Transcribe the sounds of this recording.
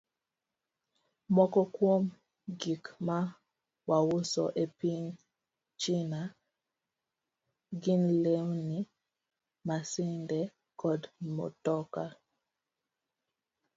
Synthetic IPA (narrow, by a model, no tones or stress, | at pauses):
mɔkɔkwom | ɡikma | wawusɔ̰ʔepiŋ | t͡ʃina | ɡinlewni | masindɛ | kɔdmɔ̰tɔka